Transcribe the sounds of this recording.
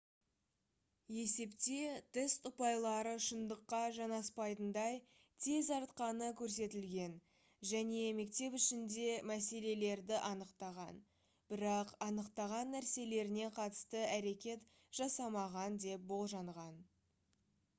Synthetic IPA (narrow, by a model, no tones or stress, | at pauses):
je̞se̞pt̪e̞t̪ʰɪst̪ʊpɑjlˠɑɾəʃənd̪əqːɑʒɑnɑspɑjt̪ənd̪ɑj | t̪ʰe̞zɑɾt̪qɑnəkʲʰɵɾs̬e̞t̪ɪlɡʲe̞n | ʒæne̞me̞kt̪e̞pʏʃɪnd̪e̞mæse̞le̞le̞ɾd̪ɪʔɑnəqt̪ɑʁɑn | b̥ɪɾɑqɑnəqt̪ɑʁɑnːæɾse̞le̞ɾɪne̞qʰɑt̪ə̥st̪əæɾe̞kʲe̞t̪ | ʒ̥ɑsɑmɑʁɑnd̪e̞p̚bo̞lˠʒɑɴʁɑn